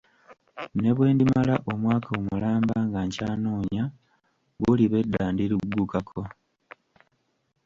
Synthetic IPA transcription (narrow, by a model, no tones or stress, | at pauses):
ne̞βwe̞ːndimalaʔo̞mwaːkʰaomulaːmbaŋɡaɲcaːnoːɲa | ɣuliβe̞dːaːndiɾuɡːukakʰo̞